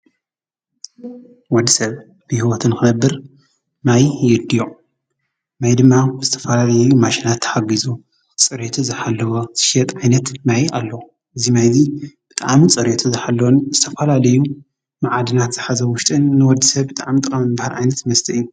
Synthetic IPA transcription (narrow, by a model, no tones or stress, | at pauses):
wɔd̪ːisɐβ | bɨhiwot̪ʰɨnkʰɨnɐbːɨɾ | majjɛd̪jo | majd̪ɨmːaz̥ɨt̪ʰɐfɐlalɐjɛjumaʃinat̪ʰːɐ̥ħaɡizu | t͡sʼɨɾet̪ʰuzɨħalːɐwoz̥ɨʃɛt̪ʼʕajnɐt̪majʔalːɐw | ʔɨzimajzib̥ɨt̪ʼaʕmit͡sʼɨɾjet̪ʰuzħalːonzɨt̪ʰɐfɐlalɐju | maʕad̪ɨnat̪z̥ɨħazɐwʊʃt̪ʼɨnːɨwɔd̪ːisɐβbɨt̪ʼa̰ʕmit̪ʼɨkʼɐmɨbahalʕa̰jnɐt̪mɐst̪ʰɐʔiju